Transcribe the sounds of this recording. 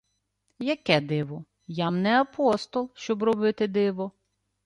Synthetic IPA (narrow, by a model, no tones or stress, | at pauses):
jɐkɛd̪ɪʋɔ | jamnɛɐpɔst̪ɔlˠʃt͡ʃɔbrɔbɪt̪ɪd̪ɪʋɔ